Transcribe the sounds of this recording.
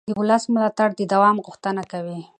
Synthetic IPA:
d̪əʊləsmʊlɑt̪aɽd̪əd̪awɑmɣʊxt̪ənakawi

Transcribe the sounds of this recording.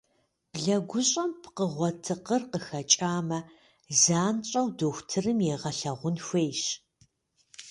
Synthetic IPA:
b̥ɮɐɡʷʊɕʼɐmpʰqəʁʷɔtʰɨqərqəxɐt͡ʃʼaːmɐ | zaːnɕʼɐwdoːxʷtʰɨrɨmjɛːʁɐɬɐʁʷʊnxʷeːjʃ

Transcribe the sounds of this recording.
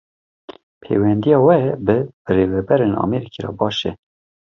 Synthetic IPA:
pʰḛːwɛnd̪ijɑːwɛbɨreːvɛbɛɾeːnɑ̰meɾikʰiɾɑ̰ːbɑːʃɛ

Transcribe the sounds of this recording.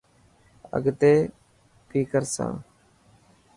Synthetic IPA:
ə̰ɡt̪eː | piːkəɾsã̰ː

